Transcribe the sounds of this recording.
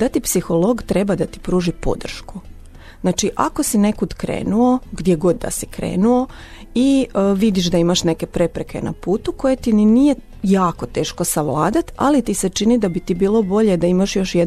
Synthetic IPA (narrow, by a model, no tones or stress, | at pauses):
d̪at̪ipsixo̞lˠo̞ɡt̪ɾe̞bad̪at̪i̥pɾuːʒipo̰d̪r̩ʃku | znaːt͡ʃiʔakosine̞kud̪kɾḛːnuo̞ɡd̪ʲje̞ɡo̞d̪ːa̰sikɾḛːnuo̞ | iʋid̪iʃ̬d̪aimaʃne̞ke̞pɾe̞pɾekʰe̞̰na̰puːt̪uko̞jet̪innije̞ | jaːko̞t̪e̞ːʃko̞saʋlˠaːd̪at̪a̰lit̪iset͡ʃinid̪abit̪ibiːlˠo̞bo̞ʎed̪aimaʃjo̞ʃje